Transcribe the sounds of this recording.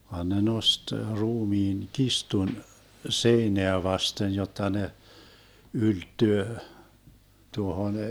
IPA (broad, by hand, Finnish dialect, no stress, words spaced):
ʋɑn ne nost ruːmiːn kistun seineæ ʋɑsten jotːɑ ne yltːyø tuohon